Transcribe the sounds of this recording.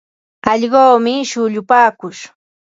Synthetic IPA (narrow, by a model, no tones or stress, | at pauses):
ɑʎɢoːmɪʃʊʎʊpaːkʊʃ